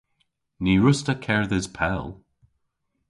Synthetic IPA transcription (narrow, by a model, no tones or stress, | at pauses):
niɹʊstəkʰɛɹðɪz̥pʰɛlˠ